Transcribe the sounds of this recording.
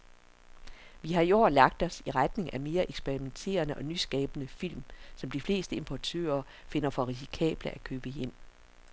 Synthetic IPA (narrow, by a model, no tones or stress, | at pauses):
ʋiɦɑ̈io̝̰ːlɑ̈ɡ̥̚d̥ɒ̽siʁad̥ne̝ŋʔæme̝ːɐʔeɡ̥sb̥eʁiment͡sʰe̝̰ːɐnəʔɒ̽nysɡ̥ɛ̰ːb̥ənəfil̰msɒ̽md̥ifle̝̰ːsd̥əe̝mpʰɒt͡sʰø̰ːɐ | fe̝nɐfɒ̽ʁis̬i̥kʰɛ̰ːb̥ləʔækʰøːb̥əjem̰